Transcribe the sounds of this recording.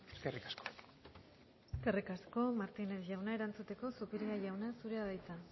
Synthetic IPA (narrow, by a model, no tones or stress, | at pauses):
eskerikasko̥ | eskerikasko̞maɾt̪ine̞sʝawnae̞ɾant͡sut̪e̞ko̞supiɾiaʝawnasuɾe̞aðajt͡sa